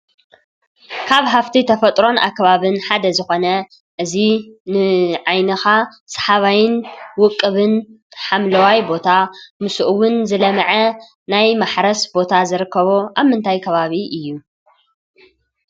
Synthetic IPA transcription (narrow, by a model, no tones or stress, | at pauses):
kʰaβɦaft̪ʰit̪ʰɐfɐt̪ʼɾo̞nʔa̰kːɐβaβɨnħad̪ɐzɨxo̞nɐ | ʔɨzinɨʕajnɐxa | sɐ̥ħaβajɪnwʊkʼːɨβɨn | ħamlɐwajbo̞t̪ʰamɨsuʔɨwʊnzɨlɐmɐʕɐ | najmaħɾɐsbo̞t̪ʰazɨɾɨkːɐβoʔaβmɨnt̪ʰajkʰɐβaβiʔɨjːu